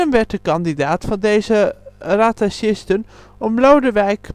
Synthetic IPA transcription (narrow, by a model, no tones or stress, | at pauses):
ənʋɛɹt̚dəkɑndidaːtfɑndejzəraːtaʃɪstən | ɔmlowdəʋɛjk